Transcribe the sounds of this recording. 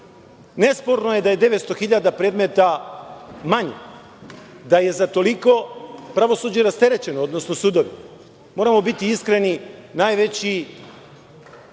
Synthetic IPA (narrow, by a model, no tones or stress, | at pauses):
ne̞spo̞ɾnoje̞d̪ajed̪e̞ʋe̞t̪st̪o̞xiʎad̪apɾe̞d̪me̞t̪a | maɲe | d̪aje̞zat̪o̞liko̞pɾaʋo̞suːd͡ʑeɾast̪e̞ɾe̞t͡ɕe̞nood̪no̞sno̞suːd̪o̞ʋi | mo̞ːɾamo̞bit̪iiskɾe̞ninaːjʋe̞t͡ɕi